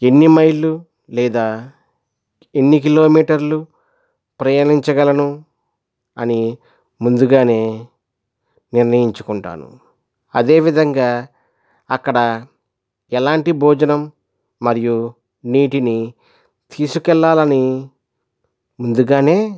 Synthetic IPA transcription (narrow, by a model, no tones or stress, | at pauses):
e̞nːimɐjlu | lɛːd̪aː | enːik̬ilo̞ːmiːʈɐɾlu | pɾɐjɐniɲt͡ʃɐɡɐlɐnu | ɐ̰ni | mund̪uɡaːne̞ː | niɾnɐjiɲt͡ʃukuɳʈa̰ːnṵ | ɐ̰d̪e̞ːʋid̪ʱɐŋɡaː | ɐkːɐɽɐ | ɛlaːɳʈibʱɔːd͡ʒɐnɐmː | ɐɾiju | niːʈini | t̪ʰiːsukɛlːaːlɐni | mund̪uɡaːne̞ː